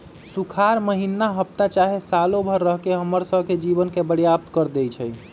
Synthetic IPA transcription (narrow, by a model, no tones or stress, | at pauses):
sukʰaɾməɦinːaɦəp̚t̪at͡ʃaɦesalobʱəɾːəɦkeɦəmːəɾsəbʱked͡ʒibənkebəɽjap̚t̪kəɾd̪ejt͡ʃʰɛj